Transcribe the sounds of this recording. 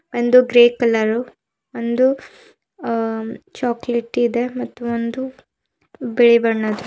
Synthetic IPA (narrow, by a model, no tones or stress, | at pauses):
ond̪uɡɾeːkɐlɐɾu | ond̪u | t͡ʃaːkleʈːid̪e̞mɐt̪ːuond̪u | biɭibɐɳːɐd̪u